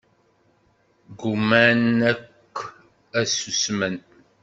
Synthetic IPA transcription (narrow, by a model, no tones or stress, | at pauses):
ɡumænækː | æsusmən